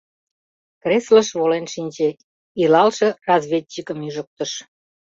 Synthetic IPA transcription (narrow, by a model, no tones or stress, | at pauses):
kresləʃβolenʃinʲt͡ɕe | ilɑlʃĕrɑzβʲetʲːikəmyʒə̆k̚t̪əʃ